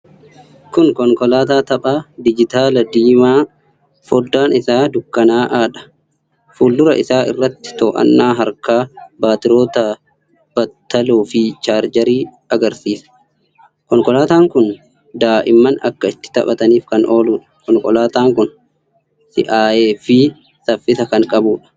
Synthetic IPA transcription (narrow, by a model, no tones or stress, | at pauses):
kʊŋkɔŋkɔlaːt̪aːt̪ɐpʼaːd̪ɪd͡ʒɪt̪aːlɐd̪iːmaː | fɔd̪ːaːnɪsaːd̪ʊkːɐnaːʔaːᶑɐ̥ | fuːlːʊɾɐ̰ʔɪsaːʔɪ̰rːɐt̪ːɪ̥t̪oːʔɐ̰nːaːɦɐɾkaːbaːt̪ɪɾoːt̪ɐ | b̥ɐt̪ːɐloːfɪt͡ʃaːɾd͡ʒɐɾiː | ɐɡɐɾsiːsɐ̥ | kɔŋkʼɔlaːt̪aːŋkʊn | d̪aːʔɪmːɐnɐ̰kːɐɪt̪ːɪ̥t̪ɐ̰pɐt̪ɐniːfkɐnʔo̞ːluːᶑɐ̥kɔŋkʼɔlaːt̪aːŋkʊn | sɪ̰ʔaːje̞ːfɪ | sɐfːɪsɐkɐŋkʼɐbuːᶑɐ̥